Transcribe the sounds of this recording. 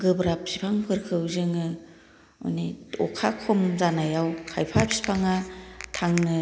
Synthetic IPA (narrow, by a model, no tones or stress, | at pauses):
ɡɯbɾap̚sipʰaŋpʰɯɾkʰɯwzɯŋɯ | o̰nitʰɔ̰kʰakʰomzanajawkʰajpʰap̚si̥pʰaŋatʰaŋnɯ